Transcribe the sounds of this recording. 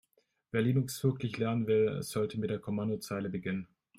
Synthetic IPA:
veːɐliːnʊksv̥ɪɐklɪçlɛɐnənvɪlz̥ɔltəmɪt̚d̥eːɐkʰɔmandot͡saɪləbəɡɪnən

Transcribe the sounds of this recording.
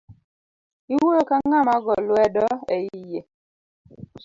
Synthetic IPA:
iwojokaŋamaɡɔlwɛdɔeije

